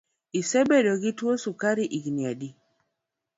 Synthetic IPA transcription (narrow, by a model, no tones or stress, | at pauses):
isɛbedɔɡitwosukaɾiʔiɡniadi